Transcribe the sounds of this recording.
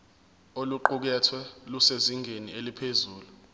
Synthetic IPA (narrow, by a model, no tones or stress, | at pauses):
oluǃuk̬ɛtʰwɛluseziŋʱenielipʰezuːlu